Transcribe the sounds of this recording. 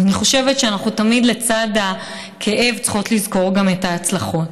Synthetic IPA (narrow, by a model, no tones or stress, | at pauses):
aniχo̞ʃevetʃeanaχnutamidle̞t͡sada | kʰe̞ʔe̞vt͡sχo̞tlizko̞ʁɡametaːt͡slaχo̞t